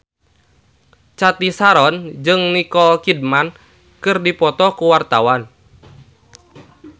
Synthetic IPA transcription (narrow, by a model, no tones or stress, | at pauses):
t͡ʃat̪isaɾɔnd͡ʒɨŋnikɔkid̚man | kɨrdipɔt̪ɔkuwart̪awan